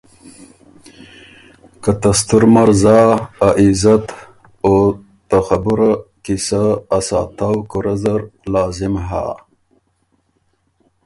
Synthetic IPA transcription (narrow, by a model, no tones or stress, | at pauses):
kat̪ast̪uɾmaɾzaaʔizat̪ | o | t̪axabuɾakisaːsɑ̰ːt̪awkuɾɐzaɾlɑːzɪmɦa̰ː